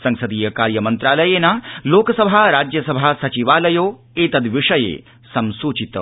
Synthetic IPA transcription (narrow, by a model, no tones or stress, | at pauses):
sɐŋsɐd̪iːjɐkaːɾjɐmɐnt̪ɾaːlɐjeːnaːloːkɐsɐbʱaːɾaːd͡ʒjɐsɐbʱaːsɐt͡ʃiʋaːlɐjoː | eːt̪ɐd̪ʋiʂɐjḛː | sɐmsuːt͡ʃit̪